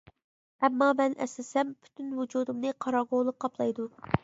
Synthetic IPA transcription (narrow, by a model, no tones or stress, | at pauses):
ɛmːɑmɛnʔɛ̰slɪsɛmpʰy̥t̪ʰynvud͡ʒuːd̪umnɨqʰɑɾɑɡolˠɨq̚qʰːɑplˠɑjd̪u